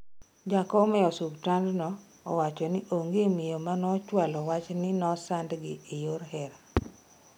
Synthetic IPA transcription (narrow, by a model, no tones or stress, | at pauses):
d͡ʒakɔmɛɔsubtandnɔ̰ː | wat͡ʃɔnɪʔoŋɡemɪjomanɔt͡ʃwalɔwat͡ʃnɪnɔsandɡɪːjoɾhɛɾa